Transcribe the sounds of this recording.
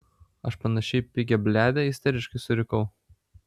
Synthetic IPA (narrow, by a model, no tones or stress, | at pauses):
ɐʃpɐnɐʃʲɛɪpʲɪɡʲɛbʲlʲæːd̪ʲɛɪsʲt̪ʲɛɾʲɪʃkɐɪsʊɾʲɪkɐʊ